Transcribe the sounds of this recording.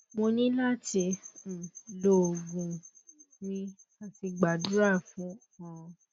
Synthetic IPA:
mo˧nĩ˦la˦ti˧˨ | lo˦˨ɡũ˧ | nĩ˦a˧ti˧ɡ͡ba˨du˦ɾa˦˨fũ˦ | ã˨˧

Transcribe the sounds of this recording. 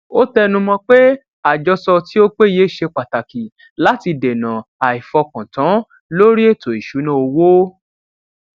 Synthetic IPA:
o˦tɛ˦˧nũ˧mɔ̃˧k͡pe˦ | a˨d͡ʒɔ˧sɔ˧ti˦o˦k͡pe˦je˦˨ʃe˧k͡pa˨ta˨ki˨ | la˨˦ti˧de˨nã˨a˨i˨fɔ˧kã˨tã˨˦ | lo˦ɾi˦e˦˨to˨i˨ʃu˨˦nã˦o˧wo˦

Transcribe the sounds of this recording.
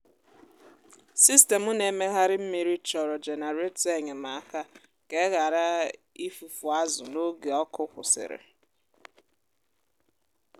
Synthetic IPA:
si˦ste˨mʊ˦ne˨me˦ɦa˦ɾɪ˦m̩˦mi˨ɾi˦t͡ʃɔ˨ɾɔ˨d͡ʒe˨ne˨ɾe˦te˦ɲe˨ma˨˦˨ka˦ | ke˦ɣa˨ɾa˦ | i˦fu˨fu˨a˦zʊ˨no˦ɡe˨ɔ˦kʊ˦kʷʊ̰˨sɪ̰˨ɾɪ̰˨

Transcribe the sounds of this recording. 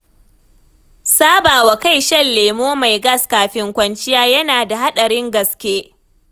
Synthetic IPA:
saː˦baː˨wa˨ka˦jʃɐ˦˨lːeː˨moː˦ma˨jɡɐ˦˨skaː˨ɸɪ˦ŋkʷɐ˦nt͡ʃɪ˦jaː˦jɐ˦naː˨da˨ha˦ɗɐ˨ɾɪ˦ŋɡɐ˨skʲeː˦

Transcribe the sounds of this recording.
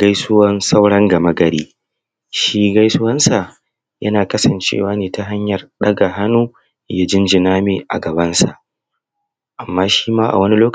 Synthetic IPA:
ɡ̥ɐ˦jsʊ˦wɐ˦nsa˦wɽɐ˦ŋɡɐ˨mɐ˦ɡɐ˨ɽiː˦ | ʃiː˦ɡa˦jsʊ˦wɐ˦nsa˨ | jɐ˦naː˨kɐ˦sɐ˨nt͡ʃḛː˦˨waː˦neː˨ta˨ɦa˦ɲjɐ˨rɗɐ˦ɡa˨ɦa˦nuː˦ | ja˦d͡ʒɪ˦nd͡ʒɪ˨naː˦meː˨ʔa̰˨ɡɐ˨bɐ˦nsa̰˨ʔ | ʔa˨mːaː˦ʃi̥ː˦maː˦ʔa̰˨wɐ˦ni˦loː˦k

